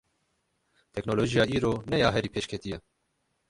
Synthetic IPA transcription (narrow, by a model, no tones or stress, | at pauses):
t̪ʰɛknoːloːʒijɑːiːɾoːnɛjɑːɦɛɾiːpʰeːʃkʰɛt̪ijɛ